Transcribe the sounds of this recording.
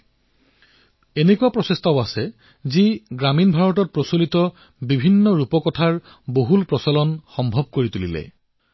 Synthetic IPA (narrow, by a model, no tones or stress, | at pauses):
enekuapɹɔsest̪ʰɔasɛ | ziɡɹaminbʱaɹɔt̬ɔt̚pɹɔsolit̪ɔ | bibʱinːɔɹupɔkɔtʰaɹ | boɦulpɹɔsɔlɔnxɔmbʱɔb̚koɹit̪ulilɛ̰